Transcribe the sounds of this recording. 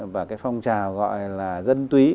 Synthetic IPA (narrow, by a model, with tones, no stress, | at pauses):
vaː˨˩kaː˨˦jfa˧wŋ͡mt͡ɕaː˨˩wɣɔ̰˧˨jlaː˨˩zə˧nt̪wi˨˦